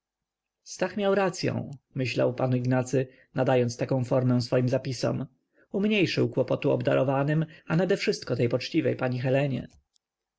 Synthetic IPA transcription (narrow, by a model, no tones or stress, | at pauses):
st̪axmʲjawɾat̪sʲjɔ̰̃w̃mɘɕla̰wpaniɡnat̪sɘ | nad̪ajɔnt̪st̪akɔ̃w̃fɔɾmɛ̃w̃sfɔjimzapʲisɔ̰m | umɲejʂɘwkwɔpɔt̪uɔ̰bd̪a̰ɾʔɔvanɘmanad̪ɛfʂɘst̪kɔt̪ɛjpɔt͡ʂt͡ɕivɛjpaɲixɛlɛɲɛ̰